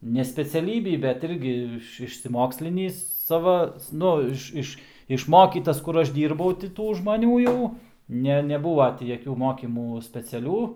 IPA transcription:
nʲɛ sʲpʲɛt͡sʲɛˈlʲiːbʲiː bʲɛt ˈɪrʲɡʲɪ ɪʃʲsʲɪsʲɪˈmoːksʲlʲɪnʲiːs ˈsɑːʋɐ ˈnʊ ɪʃ ˈɪʃ ɪʃˈmoːkʲiːtɐs ˈkʊr ˈɐʃ ˈdʲiːrbɐʊ tʲɪ ˈtuː ʒmɐˈnʲuː jɛʊ ˈnʲɛ nʲɛˈbuːʋɐ tʲɪ jɛˈkʲuː ˈmoːkʲiːmuː sʲpʲɛt͡sʲɛˈlʲuː

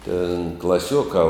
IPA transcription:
tʲeːn klˠɐˈsʲuɔkɑː

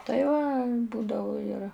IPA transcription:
tɐɪ ˈʋɐ ˈbuːdɐʋʊ ɪr

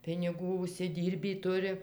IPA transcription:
pʲɪnʲɪˈɡuː ʊʃʲsʲɪˈdʲiːrʲbʲiː ˈtʊrʲɪ

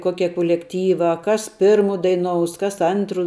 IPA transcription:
ˈkoːkʲɛ kʊlʲɛkˈtʲiːʋɑː ˈkɐs ˈpʲɪrmʊ dɐɪˈnoːʊs ˈkɐs ˈɐntrʊ

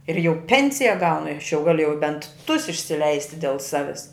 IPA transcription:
ɪr jɛʊ ˈpʲɛnʲsʲɪjɛ ˈɡɐʊnʊ ɪ ɐʃ jɛʊ ˈɡɑːlʲʊ jɛʊ bʲɛnt tʊs ɪʃʲsʲɪˈlʲɛɪsʲtʲɪ dʲɛlˠ ˈsɑːʋʲɪs

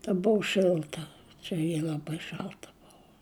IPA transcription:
tɐ ˈbʊʋʊ ˈʃʲɪlˠtɐ ˈt͡ʃʲɛ jɪ lˠɐˈbɐɪ ˈʃɐlˠtɐ ˈbʊʋoː

